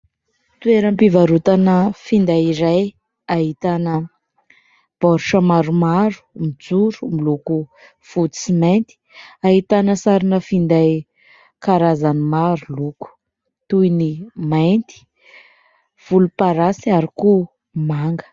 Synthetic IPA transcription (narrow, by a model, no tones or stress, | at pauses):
t̪ueɾəmpivaɾut̪anəfind̪ajiɾaj | aɦit̪anə | b̥ɔɾuʃəmaɾumaɾu̥mid͡zuɾumiluku | fut͡siment̪i̥aɦit̪anəsaɾinəfind̪aj | kaɾazanimaɾuluku̥ | t̪uinimajnt̪i̥ | v̥ulupaɾasiaɾiku | maŋɡə̥